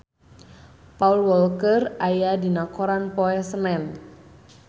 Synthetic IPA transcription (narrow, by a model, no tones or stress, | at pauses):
paulwɔlkərajadinakɔɾanpɔɛsənɛn